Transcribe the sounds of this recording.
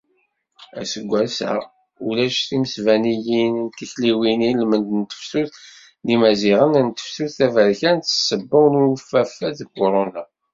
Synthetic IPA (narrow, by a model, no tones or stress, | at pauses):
æsəɡʷːælsæ̰ | ulæʃθiməsvænijinnt̪ːiçliwinilmənd̪nt̪ə̥fsuθ | nimæziʁənnt̪ə̥fsuθθævəɾçænt̪ːə̥sːəbːəwnuwəfæfːæðkːoɾˤona